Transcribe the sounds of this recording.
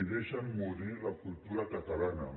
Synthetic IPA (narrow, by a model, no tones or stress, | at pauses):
iðeʃamːuɾilakult̪uɾakat̪alana̰